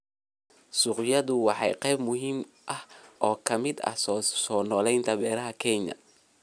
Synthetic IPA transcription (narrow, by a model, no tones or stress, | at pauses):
sʊqjɐðʊwɑħɑjqɛjbmʊɦiːm | ʔɐhʔɔːkʰɐmɪd̪ɐ̰hssɔːnɔːlɛjnt̪ʰɐβɛːɾɐɦɐkʰɛɲɐ̰